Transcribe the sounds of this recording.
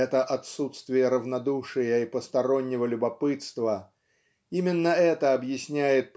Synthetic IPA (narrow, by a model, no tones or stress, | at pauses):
ɛt̪əʔɐt̪sut̪st̪vʲɪjəɾəvnɐd̪uʂɨjəipəst̪ɐɾo̞nʲːɪvəlʲʊbɐpɨt̪st̪və | imʲɪnːəɛt̪əɐbjɪsʲnʲæjɪt̪̚p